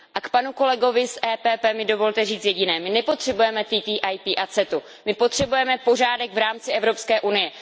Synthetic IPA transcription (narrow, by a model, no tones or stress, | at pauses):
ʔakpanuko̞lɛɡo̞vɪsʔɛːpɛːpɛːmɪdo̞vo̞lt̪ɛriːt͡sjɛɟɪnɛːmɪnɛpo̞t̪r̥ɛbujɛmɛt̪iːt̪iːʔajpiːʔat͡sɛt̪u | mɪpo̞t̪r̝̥ɛbujɛmɛpo̞r̝aːdɛɡvɾaːmt͡sɪʔɛvɾo̞pskɛːʔunɪjɛ